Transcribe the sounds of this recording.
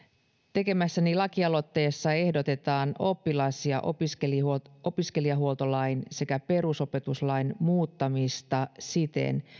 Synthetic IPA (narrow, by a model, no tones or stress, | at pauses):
t̪e̞ke̞mæsːænilɑkiɑlo̞t̪ːe̞ːsːɑe̞hdo̞t̪e̞t̪ɑːno̞pːilɑsiɑ̰ʔopiskelio̞piske̞liɑɦuo̞lt̪o̞lɑjnse̞kæpe̞ɾuso̞pe̞t̪uslɑjnmuːt̪ːɑmist̪ɑsit̪e̞̰n